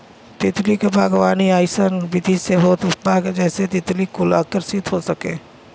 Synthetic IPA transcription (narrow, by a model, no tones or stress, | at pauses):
t̪ɪt̪likebʱaːɡʋaːniaːɪsənbɪd̪ʱisebʱɔːt̪baːɡd͡ʒɛːset̪ɪt̪likʊla̰ːkəɾsit̪ɦosɐkḛ̃ː